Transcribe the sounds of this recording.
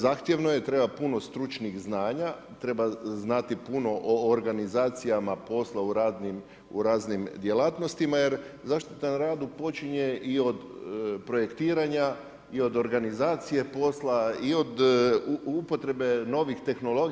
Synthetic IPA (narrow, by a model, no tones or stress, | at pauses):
zaːxt̪je̞ʋno̞jet̪ɾe̞bapuno̞st̪ɾut͡ʃniɣznaːɲa | t̪ɾe̞baznat̪ipuno̞ʔoːɾɡanizaːt̪sijamapo̞slauɾaːd̪nim | uɾaːznimd̪je̞laːt̪no̞st̪imaje̞ɾzaʃt̪it̪anɾaːd̪upo̞t͡ʃiɲe̞ʔio̞d̪pɾo̞je̞kt̪iːɾaɲa | io̞d̪o̞ɾɡanizaːt̪sije̞po̞slaio̞d̪ | upo̞t̪ɾe̞be̞no̞ʋixt̪e̞xno̞lo̞ɡ